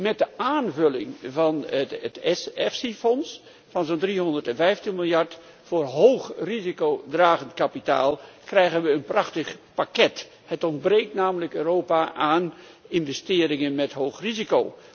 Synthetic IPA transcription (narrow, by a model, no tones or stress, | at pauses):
mɛt̚dəaːnvɵlɪŋvɑnətɛsɛfsifɔns | fɑnzoːndriɦɔndərtɛnvɛjftənmɪlˠjɑɹt | fʊːrɦowxrizikowdraːɣəntkapita̰ːlˠkrɛjɣənʋəənprɑxtəχpakɛt | hətɔndbreːk̚tnaːmələkøːroːpaʔaːn | ɪnvɛstɪːɾɪŋənmɛtɦowχriziko̰w